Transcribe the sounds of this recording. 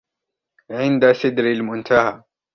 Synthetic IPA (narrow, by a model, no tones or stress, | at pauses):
ʕɪnd̪asɪd̪ɾɪlmʊnt̪ʰaha